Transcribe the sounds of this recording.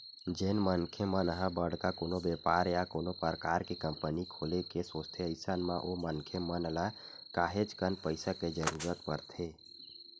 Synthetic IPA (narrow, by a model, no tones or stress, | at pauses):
d͡ʒenmənkʰemənəɦə̃bəɽ̤k̪akonobepaɾjakonopəɾkaɾkekəmpənikʰolekesost̪ʰeəɪsənmãʔomənkʰemənəla | kaɦet͡ʃkənpəɪsaked͡ʒəɾuɾət̪pəɾt̪ʰe